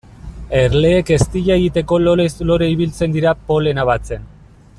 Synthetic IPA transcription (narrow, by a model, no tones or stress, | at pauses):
e̞ɾle̞ːke̞st̪iʎaeɣit̪e̞ko̞loɾeslo̞ɾeiβilt͡se̞nd̪iɾapo̞le̞naβ̞at͡se̞n